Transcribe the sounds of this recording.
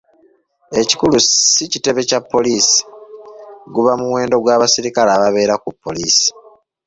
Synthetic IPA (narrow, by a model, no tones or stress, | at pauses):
e̞ci̥kulusicite̞βe̞capːo̞liːsi̥ | ɡuβamuwe̞ːndo̞ɡwaːβasiɾikalaːβaβe̞ːɾakupːo̞liːsi̥